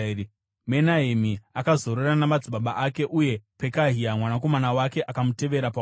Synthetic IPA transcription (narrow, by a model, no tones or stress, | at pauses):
menaɦemiakazo̞ɾeranamad͡ziɓaɓaʔake̞ʔuje̞pe̞kaɦiamwanak̬o̞manawake̞ʔakamute̞ʋe̞ɾapa